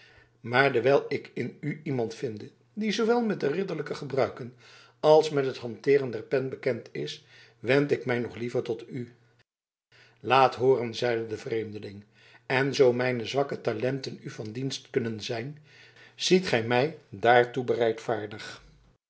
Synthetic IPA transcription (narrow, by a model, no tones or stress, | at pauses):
maːɹdəɹʋɛlˠɪkɪnyimɑntfɪndə | dizowʋɛlˠmɛt̚dərɪdəɹləkəχəbrœɥkən | ɑlˠsmɛtɦətɦɑntɪːrəndɛɹpɛnbəkɛntɪs | ʋɛntɪkmɛjnɔχlivəɹtɔty | laːtɦoːrənzɛjdədəvrejmdəlɪŋ | ɛnzowmɛjnəzʋɑkətalɛntənyvɑndinstkɵnənzɛjn | z̥itχɛjmɛjdaːɹtubərɛjtfaːɹdəχ